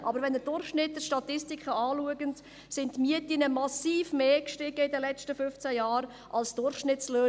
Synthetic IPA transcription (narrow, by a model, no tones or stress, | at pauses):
ʔɑbəɾʋɛnəd̥ʊrχʃnɪtːəʃtɑtɪstikχəɑːluəɡənt | sɪntmiətinəmɑsiːfmeːkʃtɪɡ̥əidəlɛt͡ʃtəfʏft͡sæjaːɾ | ʔɑlsd̥ʊɾχʃnɪtsløː